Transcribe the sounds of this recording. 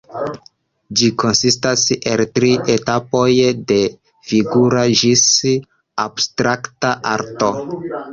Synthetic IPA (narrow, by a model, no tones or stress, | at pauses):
d͡ʒikʰo̞nsistase̞ltɾiʔe̞tapo̞jde̞ | fiɡuɾaʒis | abstɾaktaʔa̰ɾto̞